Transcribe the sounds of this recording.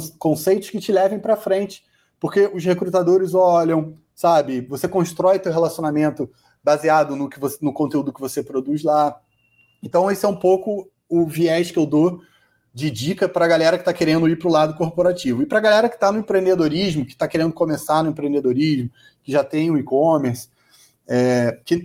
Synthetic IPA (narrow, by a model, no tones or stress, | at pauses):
kõsejt̪ʊ̥ʃkɪt͡ʃɪlɛvẽj̃pɾɐfɾẽnt͡ʃɪ̥ | poχkeʔʊʃhekɾut̪ad̪oɾɪzɔʎɐ̃w̃ | sabɪvosekõʃt̪ɾɔjʊt̪ewɦelasionamẽnt̪ʊ | baziad̪ʊnʊkɪvosnʊkõt̪eud̪ʊkɪvosepɾod̪uzla | ẽnt̪ɐ̃w̃esɪɛũpowkʊ | ʊviɛʃkɪewd̪o | d͡ʒɪd͡ʒikɐpɾɐɡalɛɾɐkɪ̥t̪akeɾẽnd̪ʊipɾʊlad̪ʊkoɾpoɾat͡ʃivʊɪpɾɐɡalɛɾɐkɪ̥t̪anʊẽpɾẽnd̪ed̪oɾiʒmʊkɪ̥t̪akeɾẽnd̪ʊkomesanʊẽpɾẽnd̪ed̪oɾiʒmʊ | kɪʒat̪ẽj̃ʊikõmeɾs | ɛkɪ